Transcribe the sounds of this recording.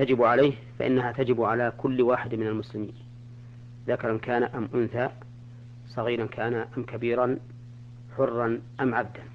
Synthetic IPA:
t̪ad͡ʒɪbʕalajhfa̰ʔɪ̰nːaɦat̪ad͡ʒɪbʕalaːkʊlːwaːħɪd̪mɪnalmʊslɪmiːn | ðakɑɾˤɑnkaːnaʔamʔʊnθa | sˤɑɣiːɾɑnkʰaːnaʔamkabiːɾˤɑn | ħʊrːɑnʔamʕab̚d̪an

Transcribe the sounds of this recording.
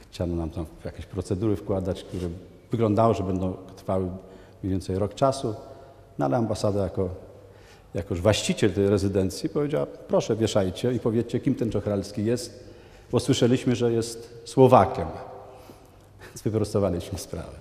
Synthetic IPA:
xt͡ɕanɔnamt̪amjakʲeɕpɾɔt̪sɛd̪uɾɘfkwad̪at͡ɕk̚t̪uɾɛ | vɘɡlɔnd̪awɔʐɛbɛnd̪ɔ̃w̃t̪ɾfawɘ | mʲvʲɛnt̪sɛjɾɔkt͡ʂasu | nɔa̰lɛambasad̪ajakɔ | jakɔuʐvwaɕt͡ɕit͡ɕɛlt̪ɛjɾɛzɘd̪ɛnt̪sʲjipɔvʲjed͡ʑawapɾɔʂɛvʲjɛʂajt͡ɕɛipɔvʲjɛt͡ɕɛkʲimt̪ɛnt͡ʂɔxɾalskʲijɛst̪̚ | bɔswɘʂɛlʲiɕmɘʐɛjɛst̪swɔvakʲɛm | vʲjɛnzvɘpɾɔst̪ɔvalʲiɕmɘspɾa̰vɛ

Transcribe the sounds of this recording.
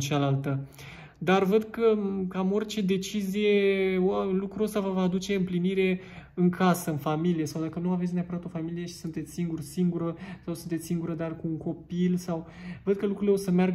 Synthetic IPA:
t͡ʃalalt̪ə | d̪arvəd̪kəkamo̞rʲt͡ʃe̞d̪e̞t͡ʃizije̞ | lukɾuo̞st̪avəvaːd̪ut͡ʃe̞ɨmpliniɾe̞ | ɨŋkʰasəɨnfamilije̞sawd̪akənuavesʲneapəɾat̪o̞familije̞ʃi̥sunt̪et̪sʲsiŋɡursiŋɡuɾəsawsunt̪et̪sʲsiŋɡuɾəd̪arkuːŋko̞pilsaw | vəd̪̚kəlukɾuileo̞səmearɡ

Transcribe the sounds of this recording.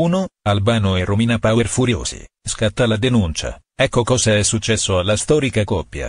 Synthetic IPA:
uːnoalbaːnoerːomiːnapawerfuɾjo̰ːsḭskat̪ːalad̪enunt͡ʃa̰ | ɛkːokɔːzaɛsːut͡ʃːɛsːoalːast̪ɔːɾikakɔpːja̰

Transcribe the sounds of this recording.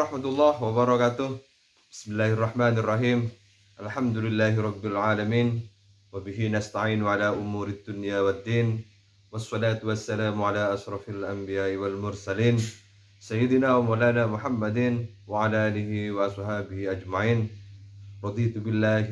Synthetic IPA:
ɾˤɑħmat̪ʊlˤːɑːhwabɑɾˤɑkat̪ʊh | b̥ɪ̥smɪlːaːhɑrˤːɑħmaːnɑrˤːɑħiːm | ʔalħamd̪ʊlɪlːaːhɪɾˤɑbːɪlʕaːlamiːn | wabɪɦɪnast̪aʕiːnʊʕalaːʔʊmuːɾɪd̪ːʊnjaːwad̪ːiːn | wɑsˤːɑlaːt̪wasːalaːmʊʕalaːʔɑʃɾˤɑfalʔambɪjaːʔɪwalmʊɾsaliːn | sajːɪd̪ɪnaːwamawlaːnaːmʊħamːad̪ɪn | waʕalaːʔaːlɪhɪwaʔɑsˤħaːbɪhɪʔad͡ʒmaʕiːn | ɾˤɑd̪ˤiːt̪bɪlːaːh

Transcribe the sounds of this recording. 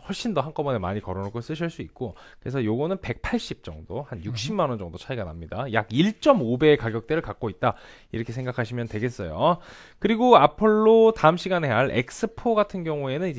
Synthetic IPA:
wʌɭɕ͈indʌɦank͈ʌbʌnemaɲikʌɾonɯkʰos͈ɯɕ̬ʰiɭs͈uit̚k͈o | kɯɾe̞sʰʌjoɡʌnɯnpe̞k̚pʰaɭɕ͈ip̚t͡ɕ͈ʌŋdohanjuk̚ɕ͈imːanʌnd͡ʑʌŋdot͡ɕʰaiɡana̰mɲidajaɡiɭt͡ɕ͈ʌmobe̞kaɡjʌk̚t͈eɾɯɭkak͈̚oit̚t͈a | iɾʌkʰe̞sʰeŋɡakʰaɕʰimjʌntwe̞ɡe̞s͈ʌjo̰ | kɯɾiɡoapʰɯɭːotaɯmɕʰiɡane̞aɭe̞̰k̚s͈ʰɯpʰoɡatʰɯnɡjʌŋue̞nɯnid͡ʑ

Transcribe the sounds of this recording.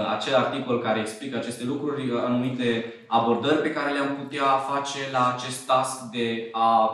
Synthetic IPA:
at͡ʃe̞lart̪iko̞lkaɾe̞ːksplikəat͡ʃe̞st̪e̞lukɾurʲanumit̪e̞ | abo̞rd̪ərʲpe̞kaɾe̞leamput̪eafat͡ʃe̞laːt͡ʃe̞st̪ːaskd̪e̞a

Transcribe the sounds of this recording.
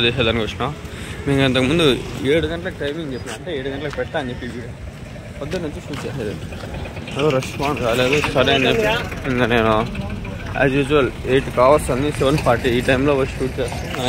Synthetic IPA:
d̪ɛːʃaːd̪ɐnikoʂnaːmiːkɐnt̪ɐkɐmund̪ueːɽuɡɐɳʈɐlɐkʈɐjmiŋɡt͡ʃepːinaɐɳʈeːeːɽuɡɐɳʈɐlɐkpɛʈːaːɐnd͡ʒepːiʋiɽ | pɐd̪ːɐnut͡ʃːiʃuːʈt͡ʃeːsaːd̪ḭ | ɐd̪oɾɐspaːɳɖkaːleːd̪ut̪ʰɐɾɐɐneːŋaneːnu | a̰d͡ʒʋid͡ʒuʋɐleːʈkaːʋɐst̪ɐnisɛʋɐnpʰaːɾʈiiːʈɐjmloːʋɐʃuːʈ̚t͡ʃeːst̪ua

